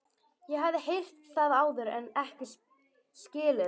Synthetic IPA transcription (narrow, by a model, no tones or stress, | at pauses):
jɛɦavðɪhejr̥t̪θaːðaaːwðʏɾɛnɛhcɪs | scɪːlɪ